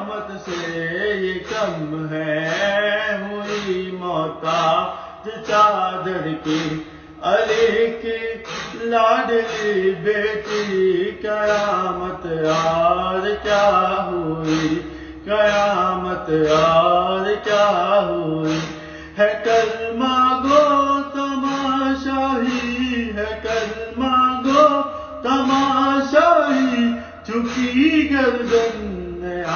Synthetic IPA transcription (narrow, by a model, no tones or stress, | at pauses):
mət̪sejekɐmɦɛ | ɦʊimɔːt̪a | d͡ʒet͡ʃaːd̪əɾki | ɐlikilaːɖlibʱeːt͡ʃikɐjaːmət̪aːɾkjaːɦoi | kɐjaːmət̪aːɾkjaːɦoi | ɦɛkɐɾmãːɡot̪ɐmaːʃaːɦiɦɛkɐɾmaːɡo | t̪ɐmaːʃaːɦi | t͡ʃʰʊkiɡɐɾd͡ʒɐnː | e